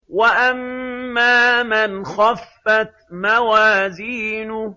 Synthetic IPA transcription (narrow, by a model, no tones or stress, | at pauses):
waʔamːaːmɪnxafːat̪mawaːziːnʊ